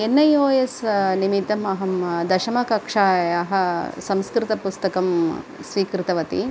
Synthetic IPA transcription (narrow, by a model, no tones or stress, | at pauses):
enːɐjoːjesnimit̪ːɐmɐɦɐmd̪ɐʃɐmɐkɐkʂaːjaːɦɐ̆sɐmskɾɪt̪ɐpust̪ɐkɐmsʋiːkɾɪt̪ɐʋɐt̪ḭ